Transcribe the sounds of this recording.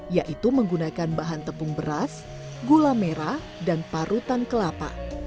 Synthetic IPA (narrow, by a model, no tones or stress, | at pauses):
jaʔit̪uməŋɡunakanbaɦant̪əpʊŋbəɾas | ɡulameɾa | danpaɾut̪ankəlapa̰